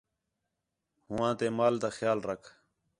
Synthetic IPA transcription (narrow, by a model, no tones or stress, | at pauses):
hɦʊʋãːt̪eːmaːld̪aːxjaːlɾəkʰ